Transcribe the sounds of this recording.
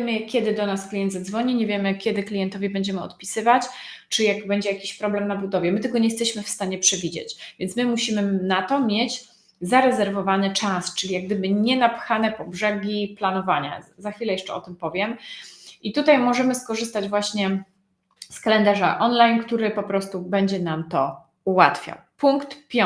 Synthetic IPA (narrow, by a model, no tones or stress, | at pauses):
jɛmɘkʲɛd̪ɘd̪ɔnasklʲijɛnd̪zad̪zvɔɲiɲɛvʲjɛmɘkʲɛd̪ɘklʲijɛnt̪ɔvʲibɛɲd͡ʑɛmɘɔ̰t̪pʲisɘvat͡ɕ | t͡ʂɘjakbɛɲd͡ʑɛjakʲiɕpɾɔblɛmnabud̪ɔvʲjɛmɘt̪ɛlɡɔɲɛjɛst̪ɛɕmɘfst̪aɲɛpʂɛvʲid͡ʑḛt͡ɕvʲjɛnt̪smɘmuɕimɘnat̪ɔmʲjed͡ʑ | zaɾɛzɛɾvɔvanɘt͡ʂast͡ʂɘlʲijaɡ̚d̪ɘbɘɲɛnapxanɛpɔbʐɛɡʲiplanɔvaɲa̰zaxfʲilɛjɛʂt͡ʂɛɔt̪ɘmpɔvʲjɛm | it̪ut̪ajmɔʐɛmɘskɔʐɘst̪ad͡ʑvwaɕɲɛ | skalɛnd̪aʐa̰ʔɔnlajnkt̪uɾɘpɔpɾɔst̪ubɛɲd͡ʑɛnamt̪ɔ | uwa̰t̪fʲja̰wpuŋkt̪pʲɔ